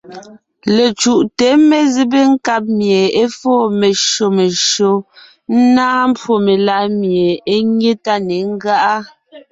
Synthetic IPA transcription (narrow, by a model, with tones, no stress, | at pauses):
le˨t͡ʃu˨ʔte˨˦me˦zi˦be˦ŋ̩˦ka˦p̬̚mje˨e˦fɔː˦˨me˨ʃo˨me˨ʃo˨˦ | n̩˦naː˦m˦pwo˦˨me˨la˨˦mje˨e˦ɲe˦ta˦ne˨˦ŋ̩˦ɡa˦ʔa˦